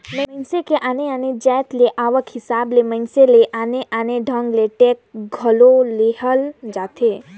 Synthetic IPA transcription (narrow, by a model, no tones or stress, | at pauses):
məənsekeʔaneaned͡ʒɛjt̪leʔaʋəkɦisablemənseleʔaneʔaneɖʱə̃ŋɡleʈek̚ɡʱəloleɦəld͡ʒat̪ʰe